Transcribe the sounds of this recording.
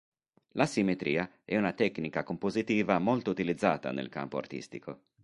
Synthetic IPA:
lasimet̪ɾiːa | ɛunat̪ɛkːnikakompozit̪iːvamolt̪out̪ilid̪zːaːt̪a̰nḛlka̰mpoa̰rt̪ḭst̪ikʰo

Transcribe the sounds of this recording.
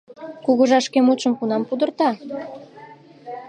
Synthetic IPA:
kuɣəʒɑʃkemut͡ʃə̆mkunɑmpud̪ərt̪ɑ

